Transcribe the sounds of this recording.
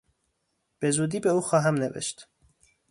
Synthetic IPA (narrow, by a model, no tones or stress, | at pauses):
b̥e̞zuːd̪iːbeuːxɒːɦæmnevḛʃt̪